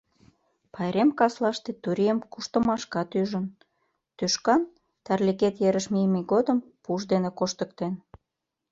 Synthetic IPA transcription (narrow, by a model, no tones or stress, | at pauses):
pɑjɾemkɑslɑʃt̪et̪uɾijəmkuʃt̪ə̆mɑʃkɑt̪yʒən | t̪yʃkɑn | t̪ɑrliket̪jeɾəʃmijmiɡod̪əmpuʃd̪enekoʃt̪əkt̪en